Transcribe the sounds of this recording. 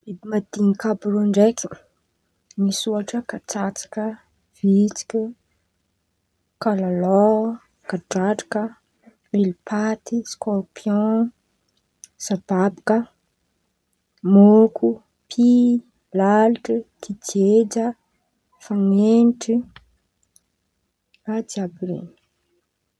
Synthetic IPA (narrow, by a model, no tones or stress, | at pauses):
bibimad̪iɲikabuɾuɳɖ͡ʐekʲi | nisuaʈ͡ʂəkat͡sat͡sḁkə | v̥it͡si̥kʲə | kalalo | kaʈ͡ʂaʈ͡ʂi̥kə | milipʰat̪iskɔrpʰjɔ̃ | sab̥abakə | mokʰu | pʰi | lalʈ͡ʂit̪ʰid͡ʒed͡ʒə | faŋenʈ͡ʂi | radiabiɾḛni̥